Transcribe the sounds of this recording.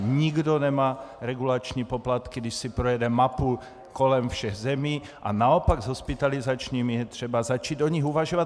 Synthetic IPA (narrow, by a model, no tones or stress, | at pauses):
ɲiɡd̪onɛmaːɾɛɡulat͡ʃɲiːpoplat̪kid̪iʃsipɾojɛdɛmapu | kolɛmfʃɛɣzɛmiːʔa̰naopaɡzɦospit̪alizat͡ʃɲiːmijɛt̪r̝̥ɛbazat͡ʃiːd̪oɲiɣuvaʒovat̪